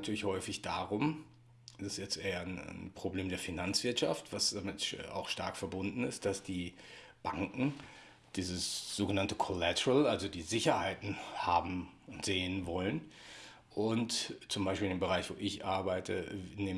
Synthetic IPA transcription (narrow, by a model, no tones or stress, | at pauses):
natʰyːɐlɪçhɔʏfɪçd̥aːʁʊm | sɪsjɛt͡stʔeːɐnnpʁ̥obleːmdeːɐfinant͡sv̥ɪɐtʃa̰ftv̥asd̥amɪtːa̰ʊxʃta̰ɐkfɛɐbʊndn̩ɪst̚d̥asd̥iː | b̥aŋkŋ̩ | d̥iːzəsz̥oːɡənantəkʰolɛtʰəʁəlalzodiːzɪçɐhaɪtn̩haːbm̩ʊntz̥eːənvɔlən | ʔʊntt͡sʊmbaɪʃpiːldeːmbəʁaɪçv̥oːʔɪçʔaɐbaɪtʰə̰neː